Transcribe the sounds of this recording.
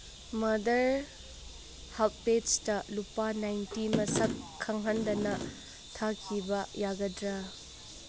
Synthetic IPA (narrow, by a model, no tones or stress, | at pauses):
mɐdɐɾ | hap̚ped͡ʒtɐlupanajntimɐsɐkʰːɐŋɦɐndɐnɐ | tʰakʰibɐjaɡɐdɾɐ